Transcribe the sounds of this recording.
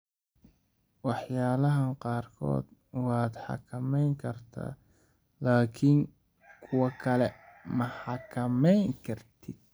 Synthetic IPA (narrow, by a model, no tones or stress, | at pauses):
wɑħjaːlɐɦɐnqɑːrkʰɔ̰ːd̪wɑːd̪ħɑ̰kʰɐmɛjŋkʰɐrt̪ʰa̰ː | laːkʰɪŋ | kʰʊwɐkʰɐlɛmɐħɑkʰɐmɛjŋkʰɐrt̪ʰɪd̪̥̚